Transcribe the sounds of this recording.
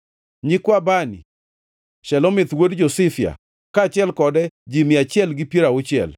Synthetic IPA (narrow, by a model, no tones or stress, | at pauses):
ɲikwabani | ʃɛlɔmɪt̪wodd͡ʒosɪfia̰ | kat͡ʃɪɛlkɔdɛd͡ʒimɪat͡ʃɪɛlɡɪpjieɾaʊt͡ʃɪɛ̰l